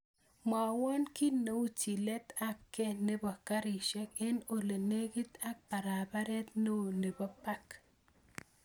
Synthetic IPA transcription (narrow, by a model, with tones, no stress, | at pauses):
ma˨wɔ˦nki˦no˨u˦t͡ʃi˨le˦t̪a˦p̚ke˦ne˦ba˨ka˦ɾi˨ʃɛ˦ke˦no˨le˨ne˦ɡi˦t̪a˦k̚pa˨ɾa˨ba˦ɾe˦t̪no˦˨ne˨ba˦pa˦k